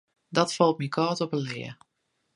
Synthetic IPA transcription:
dɔtfɔlˠt̚mikʰɔːtɔpəlɪ̰ə

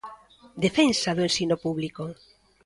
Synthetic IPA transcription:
d̪efensaðʊẽnsinopuβliko

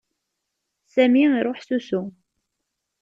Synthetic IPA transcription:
sæmiɾˤoħsusu

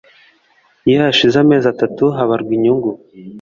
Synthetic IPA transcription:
jahaʃizame̞ːzatatuɦaβaɾɡwiɲuŋɡu

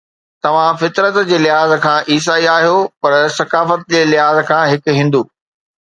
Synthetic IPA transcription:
t̪ɐʋ̤ãfɪt̪ɾət̪d͡ʑeːlɪɦaːzkʰãːʔiːs̬aːiaːɦijopɐɾsɐkaːfət̪̚d͡ʑeːlɪɦaːzkʰãːɦɪkɦĩːnd̪uː

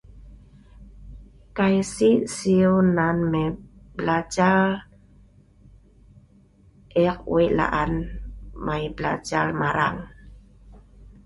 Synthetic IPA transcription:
kajsisiunanmɛblad͡ʒar | ʔɛq̚w̰iʔla̰ʔanmajbla̰d͡ʒaɾmaɾa̰ŋ

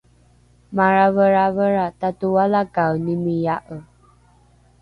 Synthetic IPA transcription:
maɹavəɾavəɾatatuwalakawnimijaʔə

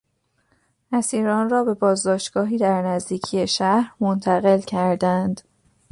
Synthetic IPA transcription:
ʔæsiːɾɒːnrɒːbe̞bɒːzd̪ɒːʃt̪ɡ̥ɒːɦiːd̪æɾnæzd̪iːcʰijeʃæhɾmont̪ʰæɣe̞lcʰæɾd̪ænd̪̥

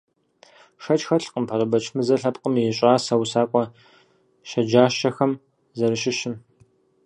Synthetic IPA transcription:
ʂɐt͡ʃʼxɐɬqəmpʰɐrɐbɐt͡ʃʰmɨzɐɬɐpʼqəmjɛɕʼaːsɐwsaːkʷʼɔ | ʃɐd͡ʒaːʃɐxɐm | zɐɾɨʃɪʃɪm

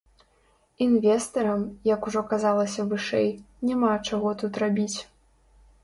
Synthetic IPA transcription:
invʲɛst̪ɐɾɐmjɐkuʐɔkazalˠɐsʲɐvɨʂɛ̰j | nʲamat͡ʂaɣɔt̪ut̪rabʲit͡sʲ

